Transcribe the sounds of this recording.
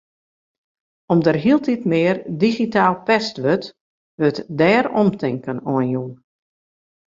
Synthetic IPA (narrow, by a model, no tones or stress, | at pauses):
ɔmdərɦilˠtitmɪːrdiɣitaːlˠpɛstʋøt | ʋøtdɛːɾɔmtʰɪŋkənɔənju